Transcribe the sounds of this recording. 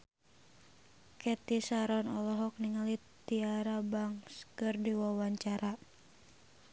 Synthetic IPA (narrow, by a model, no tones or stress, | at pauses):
kɛt̪isaɾɔnɔlɔɦɔk̚niŋalit̪iaɾabaŋskɨrdiwawaɲt͡ʃaɾʔa